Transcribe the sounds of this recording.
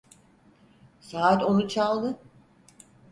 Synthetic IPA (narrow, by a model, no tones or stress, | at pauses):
saːt̪o̞nut͡ʃʰalˠd̪ɯ